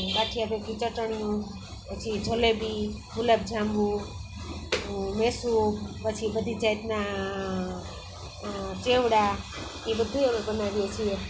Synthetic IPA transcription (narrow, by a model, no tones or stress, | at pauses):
ɡaʈʰijabekit͡ʃəʈəɳ̃ijũ | pət͡ʃʰid͡ʒʱolebi | ɦuləb̚d͡ʒʱãmbu | mesupət͡ʃʰibəd̪ʱid͡ʒajt̪na | t͡ʃeʋɽa | nĩbəd̪ʱueebənaʋijat͡ʃʰie